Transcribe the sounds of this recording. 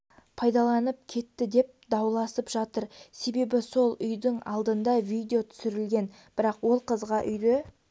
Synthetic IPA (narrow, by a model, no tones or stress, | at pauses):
pʰɑjd̪ɑlˠɑnəp̚kʲʰe̞t̪ːɪd̪e̞p̚d̪ɑwlˠɑsəpʒɑt̪əɾse̞be̞bɪso̞lˠʏjd̪ɪɴɑ̰lˠd̪ənd̪ɑvijd̪ʲeo̞t̪ʰʏ̥sɪɾɪlɡʲe̞n | b̥ɪɾɑqwo̞lˠqʰəzʁɑʔʏjd̪e